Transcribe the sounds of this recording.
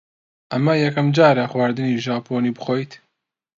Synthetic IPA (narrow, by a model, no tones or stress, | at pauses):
ʔɐmɐjɛkɐmd͡ʒaːɾɐxwaːɾd̪ɨniːʒaːpʰoːniːbɨxoːjt̪